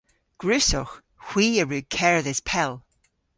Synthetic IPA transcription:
ɡ̥ɹʉsɔx | hw̥iːəɹʉːkʰɛɹðɪspʰɛlˠ

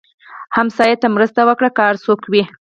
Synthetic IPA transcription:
hamsɑjat̪amɾəst̪awəkɽakaaɾsokwi

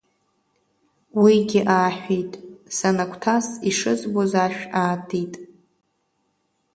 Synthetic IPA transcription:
wiɡʲɪʔaːħᶣʷejtʼsanakʷʰʼtʰasiʂɨzbozaʃᶣaːtʰitʼ

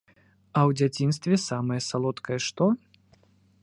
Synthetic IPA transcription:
ɐwd͡zʲat͡sʲinst̪vʲɛsamɐjɐsalˠɔt̪kɐjɛʂt̪ɔ

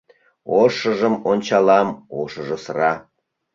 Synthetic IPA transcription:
oʃə̆ʒəmonʲt͡ɕɑlɑmo̰ʃəʒə̆sərɑ

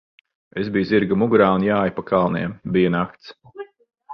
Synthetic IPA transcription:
ezbijzʲiɾɡamuɡɾaːunjaːjpakʰalˠniɛmbijanak̚t̪s

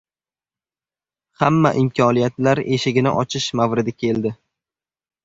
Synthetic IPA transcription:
hamːaʔɪmkʲʰɒnijat̪laɾe̞ʃɪɡʲɪnɪʔɒt͡ʃʰɪʃmavɾɪd̪ɪkʲʰe̞ld̪ɪ

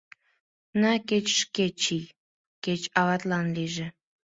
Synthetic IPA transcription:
naket͡ɕʃket͡ɕij | ket͡ɕɑβɑt̪lɑnliʒĕ

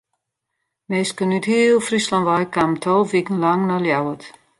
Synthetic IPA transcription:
meːskənythiəlˠfrislanʋajkamtʰolˠʋikən̩laŋnaljawət

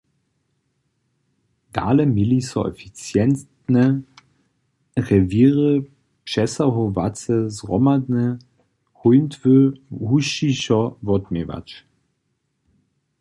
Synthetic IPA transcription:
d̥a̰ːləmilisɔ̰ɛ̰fit͡sjɛnt | nə | ʁɛviːəʁə | pʃɛsaɦovat͡səzʁɔmad̪nə | hujntʰvøhuɕiɕɔvɔtmeva̰t͡ʃ

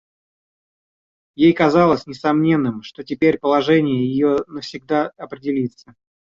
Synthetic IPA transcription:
jejkɐzɑlˠəsʲnʲɪsɐmnʲe̞nːɨmʂt̪o̞tʲɪpʲeɾʲpəlˠɐʐɛnʲɪjəjɪjonəfsʲɪɡ̚d̪aɐpɾʲɪdʲɪlʲit̪sə

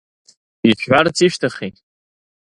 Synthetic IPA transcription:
iʃħʷart͡sʰiʃtʰaχetʼ

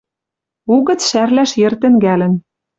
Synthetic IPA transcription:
uɣɤ̆t͡sʃærlæʃjĕrt̪ɘ̆ŋɡælɘ̆n

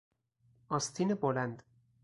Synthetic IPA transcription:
ɒst̪ʰiːnebolænd̪

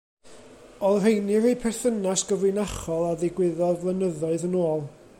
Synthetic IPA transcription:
ɔðr̥ejnɪɾejpʰɛrθənasɡ̥əvlɨnaχɔlˠaðɪɡwɪðɔðvlˠənəðɔɨðənoːlˠ

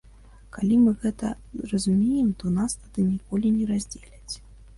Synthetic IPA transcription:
kalʲimɨɣɛt̪ɐ | rɐzumʲejɛmt̪ɔnast̪ad̪ɨnʲikɔlʲinʲɛɾazʲd͡zʲelʲɐt͡sʲ

